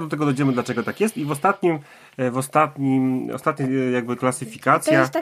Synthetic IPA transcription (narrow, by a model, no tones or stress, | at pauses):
d̪ɔt̪ɛɡɔd̪ɔjd͡ʑɛmɘd̪lat͡ʂɛɡɔt̪akjɛst̪ivɔst̪at̪ɲim | vɔst̪at̪ɲimɔ̰st̪at̪̚ɲajaɡ̚bɘklasɘfʲikat̪sʲja